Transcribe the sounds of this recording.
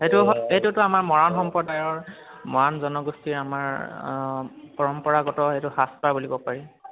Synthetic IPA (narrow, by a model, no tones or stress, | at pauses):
hetʊɦɔejtʊtʊamaɹmɔɹanxɔmpɔdajɔɹmɔɹanzɔnɔɡustiɹamaɹ | pɔɹɔmpɔɹaɡɔtɔhejtʊhaspabulikɔpaɹi